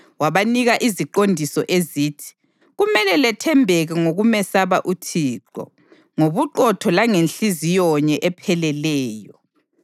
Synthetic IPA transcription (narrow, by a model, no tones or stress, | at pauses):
waβaniɣaʔiziǃondʱisɔʔeziːtʰi̥ | ɣumɛlɛlɛtʰɛmbʱɛɣɛŋoɣumɛsaβaʔutʰiːǃɔ̰ | ŋoβuǃɔtʰɔlaŋenɬizijɔɲɛʔɛpʰɛlɛlɛːjɔ